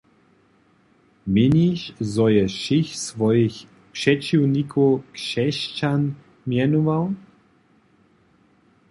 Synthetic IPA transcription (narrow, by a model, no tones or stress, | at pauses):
miniʃzɔjɛʃixsʋɔjix | pʂɛt͡ʃiwnikʰoɔwkʂɛʃt͡ʃan | mjɛnuvaw